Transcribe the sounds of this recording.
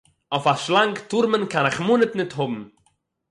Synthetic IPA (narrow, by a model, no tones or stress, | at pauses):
ɔfaʃlˠaŋktʊɾmənkanɪχmuːnətnɪtɦʊbm̩